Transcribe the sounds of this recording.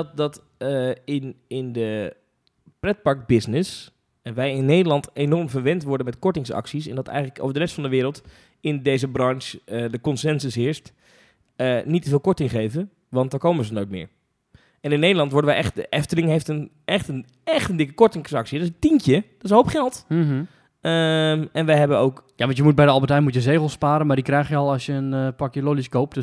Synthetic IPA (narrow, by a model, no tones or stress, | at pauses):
t̚dɑt | əɪnɪndə | prɛt̚pɑɹk̚bɪsnɪs | ʋɛjɪnːejdəlɑntenɔɹmvəɹʋɛntʋɔɹdənmɛtkɔɹtɪŋsɑ̰ksisɛ̰ndɑtɛ̰jχələko̰wvəɹdərɛstfɑndəʋɪːɾəlˠt | ɪndejzəbrɑnʃədəkɔnsɛnsəsɦɪəɹst | ənitəvɪːlˠkɔɹtɪŋχejvə | ʋɑnt̚daːɹkowməzənoːjt̚mɪ̰ːɹ | ɛnɪnːejdəlˠɑntʋɔɹdəʋɛjʔɛχtdəʔɛftəlɪŋɦejftən | ɛχtən | ɛxχtəndɪkəkɔɹtɪŋsɑksitɪsəntinkjəd̥ɔtɪsɦowpχɛlˠt | əmɛnʋɛjɦɛbənowkjaʋɑntjəmut̚bɛjdəɑlˠbətɛjmutjəzeɣəl̩ˠspaːɾəmaɹdikrɛjxjəɔlˠɑsjəənpɑkjəloliskoːp̚